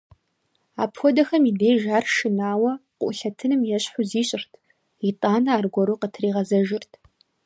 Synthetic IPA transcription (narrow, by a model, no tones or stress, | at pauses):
aːpxʷɔdɐxɐmideːʒaːrʃɪnaːwɐqʷʊ̰ʔʊɬɐtʰɨnɨmjɛɕħʷʊziːɕʼɪrtʰ | itʼaːnɐaːrɡʷɔɾuːqətʰriːʁɐzɐʒɪrtʰ